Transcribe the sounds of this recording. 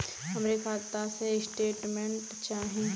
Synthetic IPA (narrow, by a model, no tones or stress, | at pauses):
ɦəmɾekʰaːɾt̪asesʈeːʈmẽɳʈt͡ʃaːɦĩ